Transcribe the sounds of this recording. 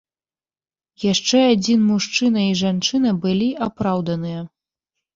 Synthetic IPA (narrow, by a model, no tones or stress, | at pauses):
jaʂt͡ʂɛad͡zʲinmuʂt͡ʂɨnɐiʐant͡ʂɨnɐbɨlʲiʔapɾawd̪ɐnɨjɐ